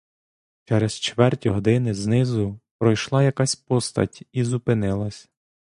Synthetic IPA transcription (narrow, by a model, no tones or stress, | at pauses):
t͡ʃɛɾɛzt͡ʃʋɛrtʲiɦɔd̪ɪnɪznɪzʊpɾɔjʃlˠɑjɐkasʲpɔst̪ɐ̰tʲizupɪnɪlˠɐsʲ